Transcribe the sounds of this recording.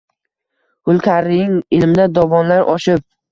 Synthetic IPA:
hʊlˠkʲʰaɾɪjɪŋɪlmɪd̪ad̪ɒvɒnlaɾʔɒʃɪp̚

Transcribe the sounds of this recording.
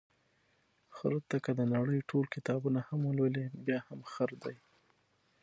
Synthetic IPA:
xaɾt̪akəd̪ənaɽəjʈʰolkɪt̪ɑbunahamwəlwəlebjɑhamxaɾd̪aj

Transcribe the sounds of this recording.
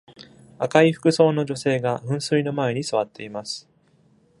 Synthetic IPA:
akaiɸɯ̟̥kɯ̟so̞ːno̞ʑo̞se̞ːɡaɸɯ̟̃ɰ̃sɨɾino̞mae̞ɲ̟isɨβ̞at̪ːe̞imasɨ̥

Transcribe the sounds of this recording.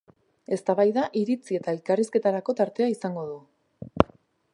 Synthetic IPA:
e̞st̪aβajðaʔiɾit͡sie̞t̪ae̞lkariske̞t̪aɾako̞t̪aɾt̪e̞aisaŋɡo̞ð̞u

